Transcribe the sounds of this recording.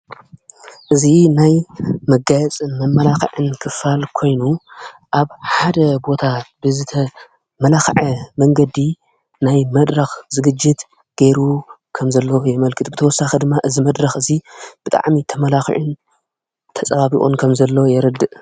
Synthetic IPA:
ʔɨzinajmɐɡajɛt͡sʼɨnmɐmːɐlaxɨ̰ʕɨnkʰɨfalkʰo̞jnuʔaβħad̪ɐbo̞t̪ʰabɨzɨt̪ʰɐ | mɐlaxʕɐmɐŋɡɐd̪i | najmɐd̪ɾɐxzɨɡɨd͡ʒːɪt̪ | ɡ̥eɾukʰɐmzɐlːojɛmɐlkʰɨt̪ubɨt̪ʰɐwɔsːaxid̪ɨmːaʔɨzimɐd̪ɾɐxɨzib̥ɨt̪ʼa̰ʕmit̪ʰɐmɐlaxḭʕɨn | t̪ʰɐt͡sʼɐβaβiχʼṵnkʰɐmzɐlːojɛɾɐd̪ɨʔ

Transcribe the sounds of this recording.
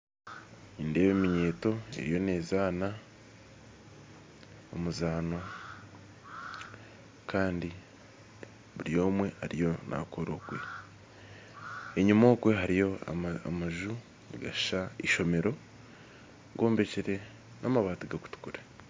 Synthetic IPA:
inde̞βeːmiɲe̞ːto̞ḛɾijo̞ne̞ːzaːna | omuzaːnwa | kʰaːndi | βuɾijo̞ːmwe̞aɾijo̞nʔa̰koɾoɡwe̞̰ | eɲumoːkweɦaɾijo̞a̰aa̰maʒu | iɡaʃaiʃo̞me̞ɾo̞ | ɡo̞ːmbe̞ceɾe̞ | nʔamaβaːtiɡaku̥tu̥kuɾe̥

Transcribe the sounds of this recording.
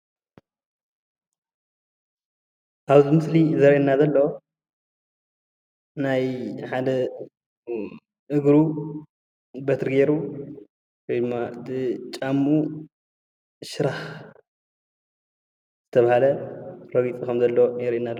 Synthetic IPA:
ʔaβzimɨslizɐɾʔenːazɐlːo | najħad̪ɐ | ʔɨɡɾu | bɐt̪ʰɾɨɡeɾu | wojd̪ɨmːat̪ʰɨt͡ʃʼamːu | ʃɨɾah | z̥ɨt̪ʰɐβahalɐɾɐɡit͡sʼikʰɐmzɐlːonɛɾina

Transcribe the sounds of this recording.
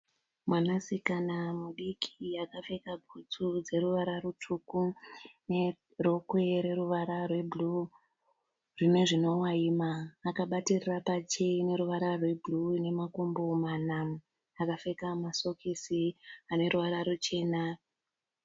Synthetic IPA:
mwanasikanamuɗikʰiakafe̞kabʱut͡sud͡ze̞ɾuʋaɾarutʰukune | ro̞kweɾe̞ɾuʋaɾarwe̞bʱlu | rine̞ʐino̞waimaːkaɓatirirapat͡ʃeine̞ɾuʋaɾarwe̞bʱlune̞makombomana | akafekamaso̞kisiane̞ɾuʋaɾaɾut͡ʃe̞ːna

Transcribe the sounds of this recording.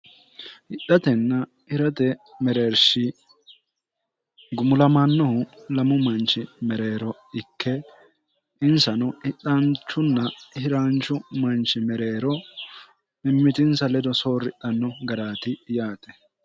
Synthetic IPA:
ʔɪɗːɐt̪ɛnːɐ | ɪɾɐt̪ɛmɛɾeːɾʃɪ | ɡʊmʊlɐmɐnːɔhʊlɐmʊmɐnt͡ʃːɪmɛɾe̞ːɾɔ | ɪkːɛ | ɪnsɐnɔɪtːɐnt͡ʃːʊnːɐhɪɾaːnt͡ʃːʊmɐnt͡ʃːɪmɛɾe̞ːɾɔ | mɪmːɪt̪ɪnsɐlɛd̪ɔso̞ːrɪtːɐnːɔɡɐɾaːt̪ɪjaːt̪ʼɛ̥

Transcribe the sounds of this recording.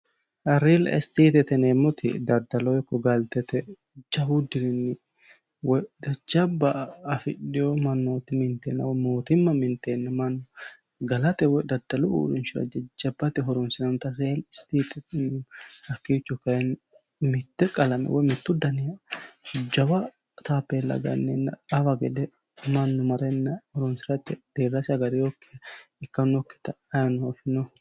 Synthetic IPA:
ɐɾeːlɛ̰st̪iːt̪ɛt̪ɛneːmːɔt̪ʰɪ̰d̪ɐd̪ɐlɔjɛkːɔɡɐlt̪ɛt̪ɛ | d͡ʒɐbʊd̪ɪɾɪnːɪ | wɔd̪ɐd͡ʒɐbːɐːfɪɗɪjomɐnːoːt̪ɪmɪnt̪enːɐwɔmoːt̪ɪmːɐmɪnt̪enːɐmɐnːɔ | ɡɐlɐt̪ɛwɔd̪ɐd̪̥ɐlɔṵːɾɪnt͡ʃʊɐ̰d͡ʒɐd͡ʒɐbːɐt̪ɛɦɔɾɔnsɪnɐnt̪ɐɾeːlst̪iːt̪ʼɛt̪ɪnhɐkːit͡ʃːɔkɐjɛn | mɪt̪ːɛkʼɐlɐmɛ̰wɔjmɪt̪ːʊd̪ɐnɪjɐ | d͡ʒɐwɐ | t̪aːpːelːɐ̰ɡɐ̰nːɛnːɐ̰ɐwɐɡɛd̪ɛ | mɐnːʊmɐɾɛnːɐhɔɾɔnsɪɾɐt̪ːɛd̪̥eɾɐsɐɡɐɾɪjokːɛ̥ɪkːɐnɔkːɛ̥t̪ɐ | ɐjɐnʊɔfɪnɔ

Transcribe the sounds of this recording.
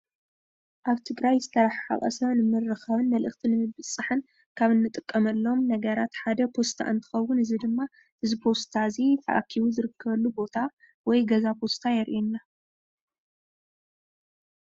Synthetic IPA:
ʔaβt̪ʰɨɡɾajzɨt̪ʰɐɾaħħa̰χʼɐ̰sɐnɨmɨrːɨxɐβɨnmɐlʔɨxt̪ʰinɨmɨɨt͡sʼːɨħɨn | kʰaβɨnːɨt̪ʼɨkʼːɐmɐlːo̞mnɐɡɐɾat̪ħad̪ɐpʰo̞st̪ʰa̰ʔɨnt̪ʰɨ̥xɐwːʊnɨzid̪ɨmːa | ʔɨzipʰo̞st̪ʰazit̪ʰɐ̰ʔa̰kʰːiβuzɨɾɨkʰːɐβɐlːubo̞t̪ʰa | wɔjɡɐzapʰo̞st̪ʰajɛɾʔinːa

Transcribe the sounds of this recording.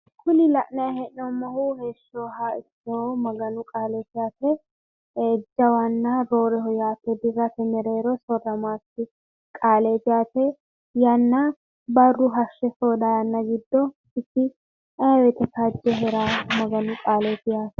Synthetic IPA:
kʰʊnɪlɐʔnɐjhɛʔːɔmːɐhuheːʃːoːɦaɪtːomɐɡɐnʊkʼaːlɛt̪ɪjaːt̪ɛː | d͡ʒːɐwɐnːaɾo̞ːɾɛhɔjaːt̪ːɛd̪ɪrːɐt̪ɛmɛɾeːɾɔsɔrːɐmaːtːɪ | kʼaːlet̪ɪjaːt̪ɛ | jɐnːɐ | bɐrːʊɦɐʃːɛsoːd̪ajɐnːɐɡɪd̪ːɔ | ɪtːɪ | ɐwɛt̪ɛkad͡ʒːɛɦɛɾaːmɐɡɐnʊkʼaːleːt̪ɪjaːt̪ɛ

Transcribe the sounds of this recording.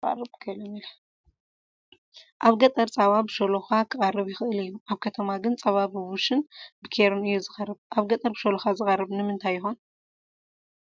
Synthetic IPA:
ɐ̰rɨbkʰɐlɐmilɐ | ʔaβɡɐt̪ʼɐɾt͡sʼaβabɨʃoloxakʰɨχʼɐrɨβjɪxɨʔɨlɨjːuʔaβkʰɐt̪ʰɐmaɡɨnt͡sʼɐβabɨβuʃɨnbɨkʰeɾunɨjːuzɨxʼɐrɨβʔaβɡɐt̪ʼɐɾbɨʃoloxazɨxʼɐrɨβnɨmɨnt̪ʰajːɪxon

